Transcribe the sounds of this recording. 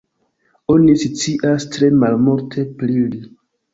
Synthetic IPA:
onisit͡siʔastɾe̞malmuɾtʰe̞pɾili

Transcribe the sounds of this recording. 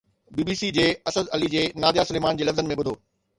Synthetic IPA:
biːbiːsid͡ʑeːɐsəd̪ɐlid͡ʑeːnaːd̪jaːsʊleːmaːnd͡ʑeːlɐfzənɪ̆mẽɓʊd̪ʱoː

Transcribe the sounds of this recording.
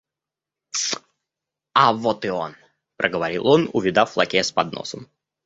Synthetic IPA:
avot̪ɨon | pɾʔəɡəvɐɾʲilˠonʊ̰vʲɪd̪aflˠɐ̰kʲespɐd̪no̰səm

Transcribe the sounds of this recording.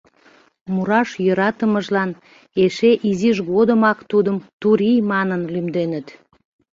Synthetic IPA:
muɾɑʃjoɾɑt̪əməʒlɑn | eʃeʔiziʒɣod̪əmɑkt̪ud̪əmt̪uɾʲijmɑnənlymd̪enət̪

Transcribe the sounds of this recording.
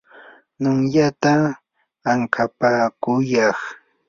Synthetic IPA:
nʊŋjat̪aː | ŋkʰapaːkʊjɑχ

